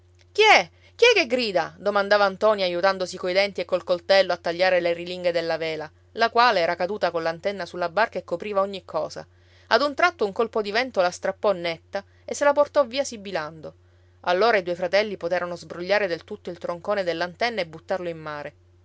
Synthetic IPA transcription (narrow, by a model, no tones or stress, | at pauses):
k̟iɛ | k̟iɛkːeɡɾiːd̪ad̪omand̪aːvaːnt̪ɔniajːut̪and̪osikojd̪ɛnt̪iekːolkolt̪ɛlːoat̪ːaʎːaːɾeleriliŋɡed̪elːaveːla | lakwaːleɛːɾakad̪uːt̪akolːant̪ɛnːasulːabarkaekːopɾiːvaoɲːikʰɔːza̰ | ad̪unt̪ɾat̪ːouŋkolpod̪ivɛnt̪olast̪ɾapːɔnːɛt̪ːa | esːelaport̪ɔviːasibiland̪o | alːoːɾaid̪uojfɾat̪ɛlːipot̪eːɾanozbɾoʎːaːɾed̪elt̪ut̪ːoilt̪ɾoŋkoːned̪elːant̪ɛnːaebːut̪ːarloimːaːɾe